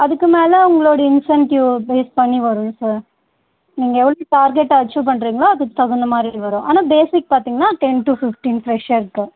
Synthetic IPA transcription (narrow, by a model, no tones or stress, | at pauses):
ɐd̪ɐkːɐmeːlɐuŋɡɐɭoːɽiinsɐɳʈjuːbeːspɐɳːiʋɐɾunsɐɾ | niŋɡɛʋɭːʈaːɾɡeʈːɐt͡ʃːup̬ɐɳɖɾiːŋɡɐlak̪ɐt̪ɐɡund̪ɐmaːinʋɐɾuʔɐnːɐbeːsik̚pɐɾt̪iŋɡnaːʈeɳʈupifʈiːnfʰɾeʃeɾkːɨ